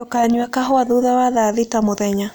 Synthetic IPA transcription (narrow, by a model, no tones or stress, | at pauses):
okaɲwakaɦɔaðuðawaðaðitamoðɛɲa